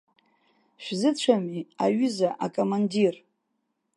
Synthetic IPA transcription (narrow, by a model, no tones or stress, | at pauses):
ʃᶣzɨt͡ɕʷʰamiaɥʏzaʔakʼomandir